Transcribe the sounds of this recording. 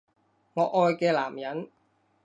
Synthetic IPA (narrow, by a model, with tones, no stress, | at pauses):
ŋɔː˨˧ʔɔː˧jkɛː˧laː˨˩mjɐ˨˥n